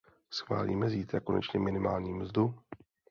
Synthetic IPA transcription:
sxva̰ːlḭːmɛziːt̪ɾako̞nɛ̰t͡ʃɲɛmɪnɪmaːlɲiːmzdu

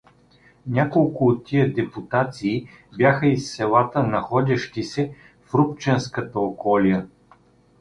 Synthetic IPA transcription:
nʲakolˠkʊːt̪ːijəd̪ɛput̪at̪siː | bʲjaxəisːɛlˠat̪ənɐxɔd̪ʲɐʃt̪isɛ | fɾupt͡ʃɛnskət̪əokɔlijə

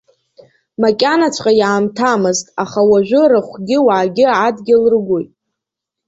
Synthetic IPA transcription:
makʲʼanat͡ɕʷʰqʼajaːmtʰamɨztʼaχawaʒᶣʷʊrɨχʷɡʲɪwaːɡʲɪadɡʲɪlrɡʷojtʼ

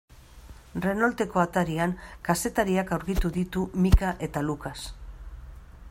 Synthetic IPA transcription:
re̞nolt̪e̞ko̞at̪aɾiaŋkase̞t̪aɾiakawɾkit̪uðit̪umikaʔe̞t̪alukas

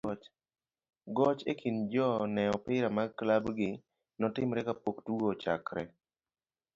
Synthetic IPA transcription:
t͡ʃ | ɡɔt͡ʃekʰind͡ʒɔnɛɔpɪɾamaklabɡɪ | nɔtɪmɾɛkapoktuɡot͡ʃa̰kɾɛ

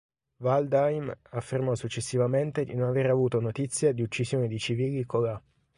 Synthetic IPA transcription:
vald̪ajmafːermɔsut͡ʃːesːivament̪ed̪inonaveːɾeavuːt̪onot̪it̪sːjad̪iut͡ʃːisjoːned̪it͡ʃiviːlikola

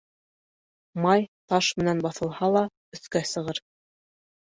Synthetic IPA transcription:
mɑjt̪ɑʃmɘ̆nænbɑθɤ̆lˠhɑlˠɑ | ɵ̆θkæsɤ̆ʁɤɾ

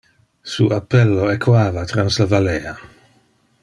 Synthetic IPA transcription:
suʔapːɛlːoekʰwaːvat̪ɾanslavaleːa

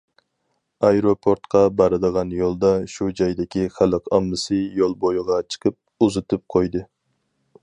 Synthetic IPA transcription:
ɑjɾopʰoɾt̪qʰɑbɑɾɨd̪əʁɑnjolˠd̪ɑʃud͡ʒɑjd̪ɪkʲiχæləqɑ̰mːɨsɨjolˠbojʁɑt͡ʃʰə̥qʰəp̚ | uzɨt̪ʰɨp̚qʰojd̪ɨ

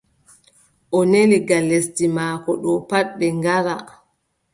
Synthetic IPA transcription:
ʔɔneliɡalːestimaːkɔɗɔpaɗɓɛŋɡaɾa̰

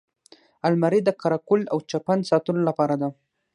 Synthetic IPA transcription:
almaɾid̪əkaɾɑkʊlawt͡ʃapansɑt̪ulolapɑɾad̪a

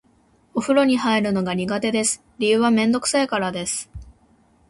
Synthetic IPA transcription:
o̞ɸɯ̟ɾo̞ɲ̟ihaiɾɯ̟no̞ɡaɲ̟iɡat̪e̞d̪e̞sɨ̥ | ɾʲijɯ̟ːβamẽ̞nd̪o̞kɯ̟̥saekaɾad̪e̞sɨ̥

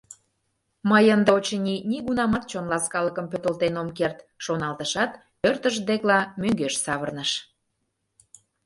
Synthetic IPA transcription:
məjənd̪əot͡ɕənʲiniɣunɑmɑt̪̚t͡ɕonlɑskɑləkəmpøt̪əlt̪enomkert̪ʃonɑlt̪əʃɑt̪ | pørt̪əʃd̪eklɑmøŋɡøʃsɑβərnəʃ

